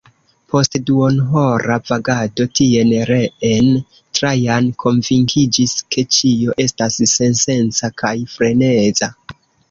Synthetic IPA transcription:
pʰo̞stduonɦo̞ɾavaɡado̞tie̞nɾeen | tɾajankʰo̞nviŋkʰid͡ʒiskʰe̞t͡ʃio̞ʔe̞stasːe̞nse̞nt͡sakʰajfɾe̞ne̞za

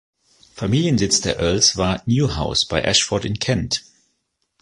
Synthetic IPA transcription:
famiːljənzɪt͡sd̥eːɐʔɜɐlsv̥aːɐnjuːhaʊsb̥aɪʔæʃfɔtɪ̃nkʰɛ̃nt

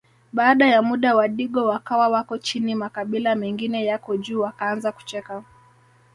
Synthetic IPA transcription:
ɓaːɗajamuɗawaɗiɠɔwakawawakɔt͡ʃinimakaɓilamɛŋɡinɛjakɔʄuːwakaanzaku̥t͡ʃɛka

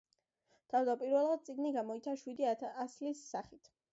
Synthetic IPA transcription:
d̪̥ʰavd̪apʼiɾvɛlˠʁat̪sʼiɡniɡamɔit̪sʰaʃwid̪iaaslisːaχit̪ʰ

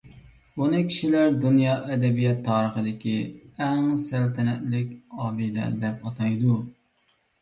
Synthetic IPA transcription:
bunɨkʲʰi̥ʃilæɾd̪unjɑʔɛd̪ɛbijɛt̪ʰːɑːɾəχəd̪ɪkʲiɛŋsælt̪ʰɛnɛt̪lɪkʲɑːbid̪æ̰ɾd̪ɛpɑt̪ʰɑjd̪u

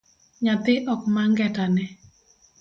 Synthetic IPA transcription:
ɲat̪ɪʔɔkmaŋɡɛtanɛ

